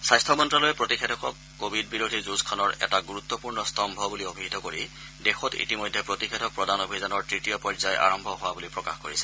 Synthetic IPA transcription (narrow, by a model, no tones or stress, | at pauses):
sajstʰɔmɔntɹɔlojɛpɹotikʰetʰɔkɔkːobʱidbiɹodʱizuzkʰɔnɔɹɛ̰taɡuɹut̪ːɔpuɹnɔstʰɔmbʱɔbuliobʱiitɔkoɹi | dexɔtḭtimɔjdʱɛpɹotixʰetʰɔk̚pɹɔdanobʱizanɔɹtɹitijɔpɔzajʔa̰ɹɔmbʱɔɦʊwabulipɹɔkaxkoɹisɛ̥